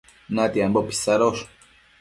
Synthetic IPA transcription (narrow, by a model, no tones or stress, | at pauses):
nat̪iambopi̥saɾoʃ